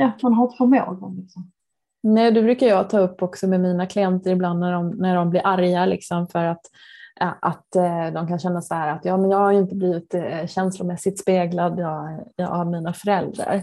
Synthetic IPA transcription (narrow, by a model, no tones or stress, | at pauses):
ɛt̪manɦat̪fɔmɛɔ̰ɡ̪ɔmlɪksɔ | nɛːd̪ɵbɾʉ̟ːkajɑt̪ʰɑːɵpːɔksɔmɛmiːnakʰlɪɛnt̪əɾɪbland̪næɖɔmnæɖɔmblɪɾʔaɾjalɪksɔmfœɾat̪ | ʔat̪d̪ɔmkʰanɕɛnːasɔhæːɾat̪jɑːmɛnjɑːɡhaɾjɵɪnt̪əbliːvɪt̪ɕɛnslʊmɛsːɪt̪speːɡlad̪ɑɑ̰avmiːnafœɾɛld̪ɾa̰ɾ